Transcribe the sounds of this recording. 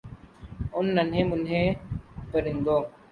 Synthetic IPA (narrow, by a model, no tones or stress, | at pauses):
ʊnːɐnɦẽːmʊnɦẽːpəɾɪnd̪oː